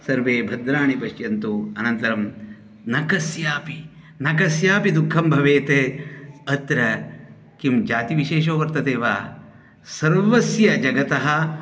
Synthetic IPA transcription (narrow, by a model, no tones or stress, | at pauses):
sɐɾʋeːbʱɐd̪ɾaːɳipɐʃjɐnt̪uɐnɐnt̪ɐɾɐm | nɐkɐsjaːpi | nɐkɐsjaːpid̪ukʰːɐmbʱɐʋeːt̪e | ɐt̪ɾɐ | kimd͡ʒaːt̪iʋiʃeːʃoːʋɐɾt̪ɐt̪eːʋaː | sɐɾʋɐsjɐd͡ʒɐɡɐt̪ɐɦɐ̆